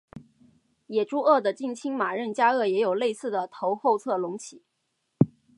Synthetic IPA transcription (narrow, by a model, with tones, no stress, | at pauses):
jɛ˨˩ʈ͡ʂu˥ʔɤ˥˩d̪ə˩t͡ɕi˥˩ŋt͡ɕʰi˥ŋma˨˩ɻə˥˩nt͡ɕja˥ɤ˥˩jɛ˧˥jo˨˩ʊle˥˧ɪsɹ̩˥˩d̪ə˩t̪ʰo˧˥ʊxo˥˧ʊt͡sʰɤ˥˩lʊ˧˥ŋt͡ɕʰi˨˩˦